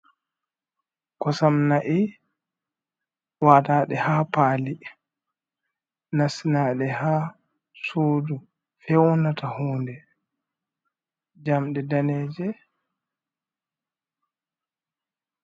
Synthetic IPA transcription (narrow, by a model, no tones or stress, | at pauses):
kɔsamnaʔi | waːtaːɗɛhaːpaːli | nasinaːɗɛha | soːdu | fɛwnatahuːndɛ | d͡ʒamɗɛdanɛːd͡ʒɛ